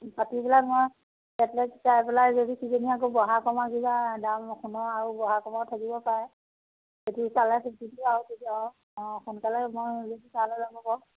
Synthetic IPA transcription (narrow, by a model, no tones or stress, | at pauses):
patibilakmɔj | ɛtlɛkzajpɛlazodisizeniak̬obɔɦakɔmaɡibadamxunɔaɹubɔɦakɔmatʰakibɔpaɹɛ | zodisalɛsititiaɦɔtitiɔ | ɔ̃xunkalɛmɔjzodisalɔlabɔkɔ